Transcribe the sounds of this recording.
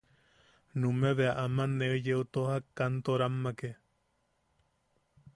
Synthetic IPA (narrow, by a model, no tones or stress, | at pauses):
nũmẽβeaʔamaneɨjeut̪ohakant̪oɾamːake